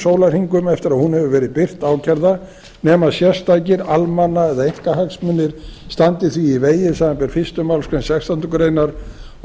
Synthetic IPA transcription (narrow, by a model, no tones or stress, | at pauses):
soːwlar̥hiŋkʏmɛft̪ɪɾaðhunhɛvʏvɛːɾɪðpɪr̥t̪aːwcʰɛɾða | nɛːmasjɛst̪ajcɪɾalmanːaɛðaeŋkahaksmʏnːɪɾ̥st̪ant̪ɪθviiveːjɪsaðampɛɾ̥fɪ̥st̪ʏmawlskvɛnsjɛxst̪ant̪ʏkʏɾeːjnaɾ